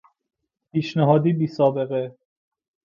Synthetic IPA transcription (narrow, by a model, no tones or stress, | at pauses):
pʰiːʃneɦɒːd̪iːbiːsɒːbeɣe